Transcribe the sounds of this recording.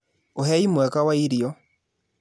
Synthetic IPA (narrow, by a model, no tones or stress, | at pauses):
ohɛimwɛkawaiɾjɔ